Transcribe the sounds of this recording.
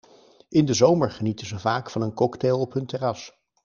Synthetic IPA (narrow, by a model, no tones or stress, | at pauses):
ʔɪndəzowməɹχənitənzəvaːkfɑnənkɔkteːlˠɔpɦɵntɛrɑs